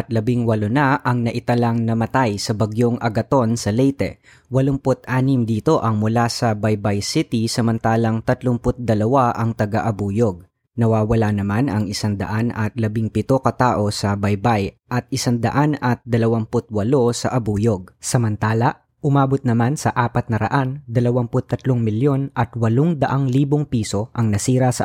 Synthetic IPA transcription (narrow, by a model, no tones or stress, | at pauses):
ʔɐt̪̚lɐbiŋwɐlo̞nɐʔɐŋnɐʔɪt̪ɐlaŋnɐmɐt̪ajsɐbɐɡjoŋɐɡɐt̪o̞nsɐlɛjt̪ɛ̰ | wɐloŋpot̪ʔaːnɪmd̪iːt̪o̞ʔɐŋmʊlasɐbɐjbɐjsɪt̪isɐmɐnt̪aːlɐŋt̪ɐt̪loŋpʊt̪̚d̪ɐlɐwaʔɐŋt̪ɐɡaʔɐbuːjo̞ɡ̚ | nɐwaːwɐlanɐmanɐŋɪsaŋd̪ɐ̰ʔanɐt̪̚lɐbiŋpɪt̪o̞kɐt̪aːʔo̞sɐbɐjbajʔɐt̪̚ɪsaŋd̪ɐʔanɐt̪̚d̪ɐlɐwampʊt̪̚wɐlo̞sɐʔɐbuːjoɡ̚sɐmɐnt̪aːlɐ | ʔʊmaːbot̪̚nɐmansɐʔaːpɐt̪̚nɐɾɐ̰ʔand̪ɐlɐwampʊt̪ːɐt̪loŋmɪljo̞nʔɐt̪wɐloŋd̪ɐʔaŋliːboŋpiːso̞ʔɐŋnɐsiːɾɐsɐ